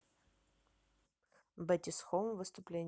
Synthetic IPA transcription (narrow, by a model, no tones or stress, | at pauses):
bətʲɪsxovvɨst̪ʊplʲenʲ